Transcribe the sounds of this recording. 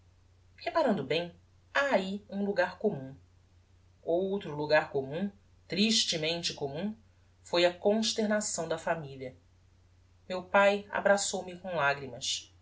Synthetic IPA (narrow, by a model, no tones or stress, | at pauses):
hepaɾɐ̃nd̪ʊbẽj̃ | aːiũluɡaɾkomũ | owt̪ɾʊluɡaɾkomũ | t̪ɾiʃt͡ʃɪmẽnt͡ʃɪkomũ | fojɐkõʃt̪eɾnasɐ̃w̃d̪ɐfamiliɐ | mewpaja̰bɾasowmɪkõw̃laɡɾimɐs